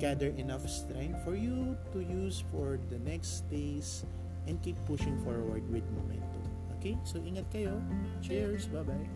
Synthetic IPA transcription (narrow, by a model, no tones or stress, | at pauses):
ɡ̥ad̪ɛɹʔɛnɐfst̪ɾɛ̃nd̪fɔɹjut̪ujusfɔɹd̪ɐnɛksd̪̥ejs | ʔɛ̃nd̪kipːʊʃɪ̃ŋfɔɹwɐɹd̪wɪd̪̚momɛ̰̃nt̪ʊ̰ | ʔokejsoʔiŋɐt̪̚kɐjot͡ʃɛɹsbabaj